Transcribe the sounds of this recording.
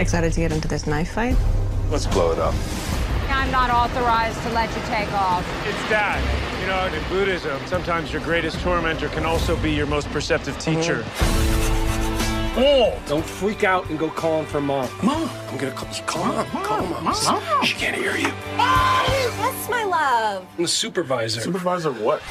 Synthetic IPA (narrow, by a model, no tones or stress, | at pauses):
ɨksaɪɾɨd̚tʰɨɡɛɾɪ̃ntɨðɪsnaɪfaɪt̚lətsb̥lo̰ʊəɾʌ̰p̚ | ãɪ̃mnəɾɔθə˞aɪztʰəlɛt͡ʃɨtʰeɪkɔf | ɪtsðæt̚jɨnoʊɨ̃nbuɾɪzə̃msʌ̃mtʰãɪ̃mzjə˞ɡɹeɪɾɨstʰɔɹmɛ̃ntə˞kʰɨ̃nɔlˠsoʊbijə˞moʊs̚pʰə˞sɛp̚tɨv̥tʰit͡ʃə˞ | od̥õʊ̃ntflikaʊɾɨ̃nɡoʊkʰɔlˠə̃ɱfə˞mɑmmãɪ̃mɡʌnɨkʰʌptʰɨ̥kʰɔl̃ˠmkʰɔm | ʃɨkʰæ̃nhiɹjɨ | ðætsmaɪlʌṽ̥mðəsʉpə˞vaɪzə˞spə˞vaɪzə˞wʌt̚